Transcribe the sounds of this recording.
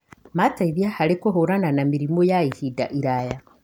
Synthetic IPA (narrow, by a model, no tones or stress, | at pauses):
mataiβjahalekoɦoɾananamiɾimojaihida̰ʔiɾaja